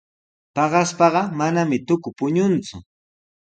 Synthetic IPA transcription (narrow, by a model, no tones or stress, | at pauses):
pɑɢɑspɑɢɑmanamɪt̪ʊkʊpʊɲʊnt͡sʊ